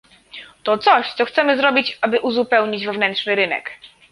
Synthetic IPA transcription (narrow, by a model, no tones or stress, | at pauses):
t̪ɔt̪sɔɕt̪sɔxt̪sɛmɘzɾɔbʲit͡ɕabɘʔuzupɛwɲid͡ʑvɛvnɛntʂnɘɾɘnɛ̰k